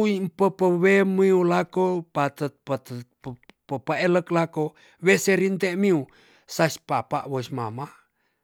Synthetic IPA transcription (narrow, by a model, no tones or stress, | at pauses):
uimpəpəwemiulakopat̪ət̪̚pət̪ə | pəpəeləklako | weseɾint̪eʔmiu | saspapaʔwosmama